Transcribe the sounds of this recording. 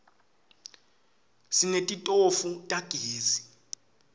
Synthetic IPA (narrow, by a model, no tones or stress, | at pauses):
sinetʼitʼofutʼaɡ̥ʱeːzi